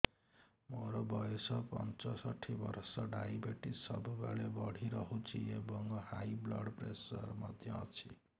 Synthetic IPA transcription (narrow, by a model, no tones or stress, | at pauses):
moɾobʌjesʰʌpʌ̰nt͡sʌsʌʈʰːibʌɾsʌɖajbeʈisʌ̰bubaɭebʌɽ̤ʱiɾʌɦũt͡sʰiebʌŋɡʌhajblʌ̰ɽpresʌrmʌd̪ʱjʌʌt͡sʰi